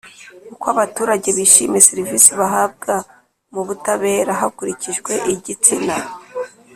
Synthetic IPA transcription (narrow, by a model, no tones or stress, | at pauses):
kukwaβatuːɾaɟe̞βiʃiːme̞seɾivisiβaɦab̚ɡa | muβutaβe̞ːɾaɦakuɾiciʒɡwe̞ʔiɟit͡sina